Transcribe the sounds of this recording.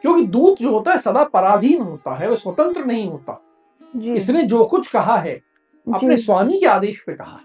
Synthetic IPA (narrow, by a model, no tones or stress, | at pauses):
kjõːkid̪uːd̪d͡ʒoːɦoːt̪aɦɛsɐd̪apɐɾaːd̪ʱiːnɦoːt̪a̰ɦɛʋoswʋɐt̪ə̃nt̪ɾənɐɦĩɦoːt̪a̰ | ɪsned͡ʒoːkʊt͡ʃʰkɐɦaɦɛː | ɐpnesʋaːmikeaːd̪eːʃpekɐɦa̰ɦɛ